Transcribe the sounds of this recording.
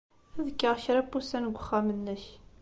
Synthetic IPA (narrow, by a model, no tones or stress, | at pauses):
æðəkːəʁçɾæpːusænɡʷːəχːæmənːəç